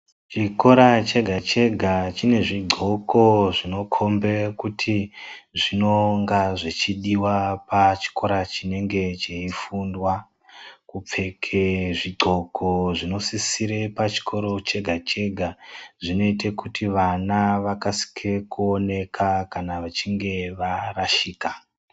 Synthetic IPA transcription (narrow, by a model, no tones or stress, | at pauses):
t͡ʃiko̞ɾat͡ʃe̞ɡʱat͡ʃe̞ɡʱat͡ʃine̞ʐiɡ͡ǃʱo̞kʰo̞ʐino̞kʰo̞mbekutʰiʐino̞ŋɡaʐit͡ʃiɗiwapat͡ʃi̥ko̞ɾat͡ʃine̞ŋɡe̞t͡ʃeifundwa | kup͡fe̞kʰeʐiɡ͡ǃʱo̞kʰo̞ʐino̞sisiɾepat͡ʃi̥kʰo̞ɾo̞t͡ʃe̞ɡʱat͡ʃe̞ɡʱaʐino̞itekutʰiʋanaʋakasi̥kʰekuone̞kʰakanaʋat͡ʃiŋɡe̞ʋaraʃiːka